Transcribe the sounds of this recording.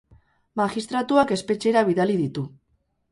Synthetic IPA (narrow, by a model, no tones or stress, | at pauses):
maʝist̪ɾat̪uake̞spe̞t͡ʃe̞ɾaβ̞iðaliðit̪u